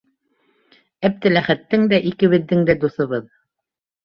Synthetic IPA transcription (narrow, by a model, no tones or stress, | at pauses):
æp̚t̪ɘ̆læχæt̪ːɘŋd̪æʔikɘ̆βɘ̆ðːɘŋd̪æd̪uθɤ̆βɤð